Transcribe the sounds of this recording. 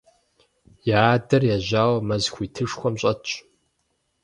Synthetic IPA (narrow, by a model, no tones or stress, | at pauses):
jaːdɐrjaʒaːwmɐzxʷitʰɨʂxʷɔmɕʼɐt͡ʃʼ